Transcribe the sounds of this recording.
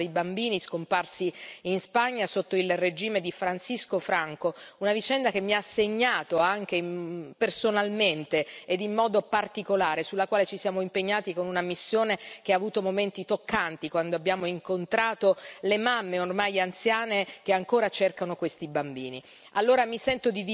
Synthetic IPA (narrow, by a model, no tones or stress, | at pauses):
ejbambiːniskomparsiinspaɲːasot̪ːoilred͡ʒiːmed̪ifɾansiskofɾaŋkounavit͡ʃɛnd̪ak̟emːiasːeɲːaːt̪oaŋk̟epersonalment̪eːd̪imːɔːd̪opart̪ikolaːɾesulːakwaːlet͡ʃisjaːmoimpeɲːaːt̪ikonunamisːjoːnek̟eaːvuːt̪omoment̪it̪okːant̪ikwand̪oabːjaːmoiŋkont̪ɾaːt̪olemamːeormajant̪sjaːnekeaŋkoːɾat͡ʃerkanokwest̪ibambiːni | alːoːɾamisɛnt̪od̪id̪